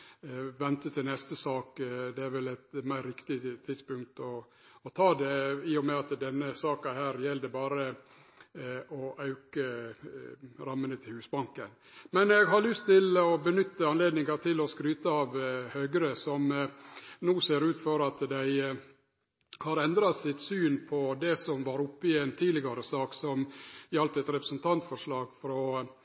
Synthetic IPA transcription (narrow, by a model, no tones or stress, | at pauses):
ʋɛnt̪ət̪ʰɪlnɛst̪əsɑːkd̪ɛæɾʋɛlɛt̪mæɪɾʋɪkt̪ɪt̪ʰːɪd̪spʉŋkt̪ɔ | ɔt̪ʰɑːd̪ɛiːɔmɛɑt̪d̪ɛnːəsɑːkɑhæːɾjɛld̪əbɑːɾə | ʔɔʔɑʉkə | ɾɑmːənət̪ʰɪlhʉːsbɑŋkən | mɛnɛɡɦɑɭʏst̪ʰːɪlɔbənʏt̪ːəɑnleːd̪nɪŋɑt̪ʰɪlɔskɾyːt̪əɑʋhøːɡɾəsɔm | nuːseːɾʉːt̪fɔɾɑt̪d̪æɪ | hɑɾɛnd̪ɾɑt̪sɪt̪syːnpʰɔd̪ɛsɔmʋɑɾʊpːɪɛnt̪ʰiːdlɪɡɑɾəsɑːksɔmɪɑlt̪ɛt̪ɾɛpɾəsənt̪ʰɑnt̪fɔʂɭɑːɡfɔɾɔ